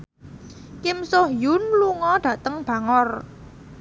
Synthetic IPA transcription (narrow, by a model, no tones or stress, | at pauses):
kɪmsʊhjʊnluŋɔɖ̥ä̤t̪əŋb̥ä̤ŋɔr